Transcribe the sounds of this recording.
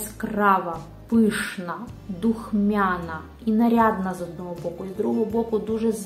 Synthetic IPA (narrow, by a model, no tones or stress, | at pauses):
skrɑʋɐ | pɪʃnɐd̪uxmʲaɑnɐ | inɐɾʲɑd̪nɐzɔd̪̚nɔɦɔbɔkʊizd̪ɾuɦɔɦɦɔbɔkʊd̪uʒɛz